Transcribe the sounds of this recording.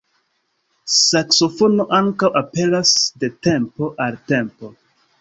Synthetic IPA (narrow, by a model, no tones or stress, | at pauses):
sakso̞fo̞no̞ʔaŋkawʔape̞lasde̞te̞mpo̞ʔalte̞mpo̞